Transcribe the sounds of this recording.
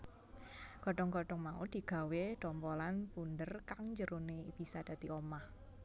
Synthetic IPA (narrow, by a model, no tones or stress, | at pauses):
kɔɖɔŋkɔɖɔŋmaud̪̥i̤ɡ̥ä̤weɖ̥ɔmpɔlanpund̪ərkaŋɲd͡ʒəɾuneb̥i̤sad̪̥ä̤t̪iomah